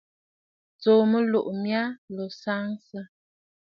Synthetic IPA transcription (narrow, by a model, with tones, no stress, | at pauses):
t͡so˨mə˦lo˨ʔmja˦lo˨sa˦ŋsə˦